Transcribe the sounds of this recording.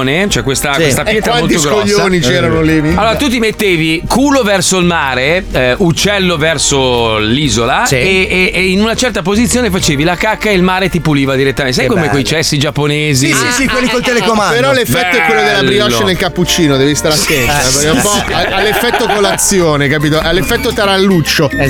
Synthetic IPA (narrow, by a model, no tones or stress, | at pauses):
net͡ʃoɛkwest̪akwest̪apjɛːt̪aaolt̪t̪oɡɾkoʎːsːoːnit͡ʃɛːɾanolialːoːɾat̪ut̪̬imet̪ːeːvikʰuːlovɛrsoilmaːɾeut͡ʃːɛlːovɛrsoliːzolaeːinunat͡ʃɛrt̪ap̬ozit̪sːjoːnefat͡ʃeːvilakakːaelmaːɾet̪ipuliːvad̪iɾet̪ːament̪sajkekomekwejt͡ʃɛsːid͡ʒapːoneːzisisikwelːikolt̪elekomaneɾɔlefːɛt̪ːoɛkːwelːod̪elːabɾiɔʃnelkapːut͡ʃiːnod̪ɛvist̪aɾasensawaɾapɔaalːefːɛt̪ːokolːat̪sːjoːnekapiːt̪oʔalːefːɛt̪ːot̪aɾalːut͡ʃːo